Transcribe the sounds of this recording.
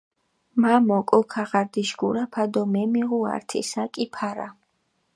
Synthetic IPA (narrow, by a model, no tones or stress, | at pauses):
mamɔkʼɔkʰaʁaɾd̪iʃɡuɾapʰad̪ɔmɛmiʁua̰ɾt̪ʰḭsakʼipʰaɾa̰